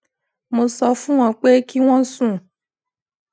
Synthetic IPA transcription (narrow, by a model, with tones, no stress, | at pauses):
mo˧sɔ˧fũ˦w̃ɔ̃˧k͡pe˦ki˦w̃ɔ̃˦sũ˦˨